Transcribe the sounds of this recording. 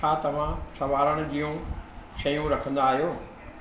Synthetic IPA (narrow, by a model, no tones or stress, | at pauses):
aːt̪ɐʋ̤ãsɐʋaːɾəɽ̃ʊ̆d͡ʑijũʃɐjũɾɐkʰə̃nd̪aːɦijoː